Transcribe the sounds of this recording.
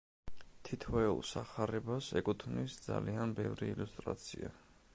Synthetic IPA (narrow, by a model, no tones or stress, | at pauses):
t̪ʰit̪ʰvɛṵlˠsaχaɾɛbasɛkʼut̪ʰmnisd̪zalianbɛvɾiːlust̪ʼɾa̰t̪sʰia